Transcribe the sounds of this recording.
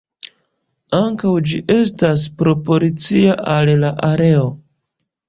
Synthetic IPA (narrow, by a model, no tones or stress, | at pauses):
aŋkawd͡ʒiʔe̞s̬tas̬pɾo̞po̞lit͡siaʔallaʔaɾe̞o